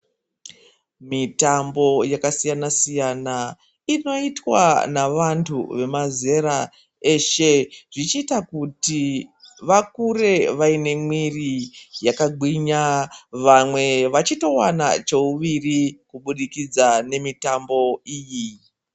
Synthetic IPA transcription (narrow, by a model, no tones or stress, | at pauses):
mitambo̞jakasijanasijana | ino̞itwa̰naʋantʰṵʋe̞maze̞ɾa | e̞ʃe̞ʐit͡ʃiːtakutiʋakure̞ʋaine̞mwirijakaɡʱiɲaʋamwe̞ʋat͡ʃito̞wana̰t͡ʃo̞uʋirikuɓuɗikid͡zane̞mitambo̞iːji